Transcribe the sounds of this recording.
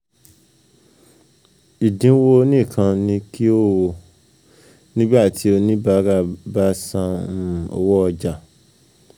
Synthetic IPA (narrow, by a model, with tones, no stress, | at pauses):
i˨dĩ˨˦wo˦nĩ˦˨kʰã˧nĩ˧ki˦o˦˨wo˧ | nĩ˦ba˦˨tʰi˨˦o˧nĩ˦ba˦ɾa˦˨ba˦sã˧ũ˦˨o̰˧wɔ˦ɔ˧d͡ʒa˨